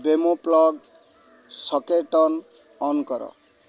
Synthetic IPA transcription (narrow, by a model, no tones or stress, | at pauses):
bemoplɔɡ | sʌkeʈʌn | ɔnkʌɾʌ̰